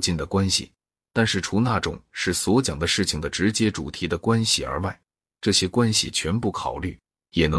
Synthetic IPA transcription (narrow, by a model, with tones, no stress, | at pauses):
t͡ɕi˥˩nd̪ə˩kwa˥nɕḭ˨˩ | t̪a˥˧nʂɻ̩˥˩ʈ͡ʂʰu˧˥na˥˩ʈ͡ʂʊ̰˨˩˦ŋʂɻ̩˥˩swɔ˧˥t͡ɕjɑ˨˩ŋd̪ə˦ʂɻ̩˥˩t͡ɕʰi˩ŋd̪ə˦ʈ͡ʂɻ̩˧˥t͡ɕjɛ˥ʈ͡ʂu˨˩t̪ʰi˧˥d̪ə˧kwa˥nɕi˨ə̰˞˧˥wa˥˩ɪ | ʈ͡ʂɤ˥˩ɕjɛ˥kwa˥nɕḭ˨t͡ɕʰɥɛ˧˥npu˥˩kʰɑ˨˩ʊly̰˥˩ | jɛ˨˩nɤ˧˥